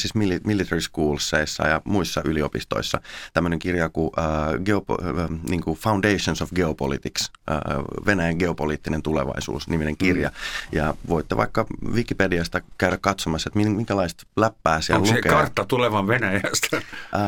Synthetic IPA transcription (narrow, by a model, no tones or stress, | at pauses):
sismilimilːit̪eriskuːlsːeisːɑ̰jɑmuisːɑʔyliopist̪o̰isːɑ̰t̪æmːøneŋkirjɑkuʔəːɡeopːniːŋkufɑundeiʃonsofɡeopo̰lḭt̪iks | ə̰ːʋenæjæŋɡeopoliːt̪ːinent̪ulḛʋɑ̰isṵːsnimineŋkirjɑ̰jɑʋoit̪ːeʋʔɑ̰ikːɑʋikːipediɑst̪ɑkæyɾækkɑt̪somɑsːet̪mimiŋkælɑist̪læpːæːsiællukekɑrt̪ːɑt̪uleʋɑʋʋenæjæst̪æ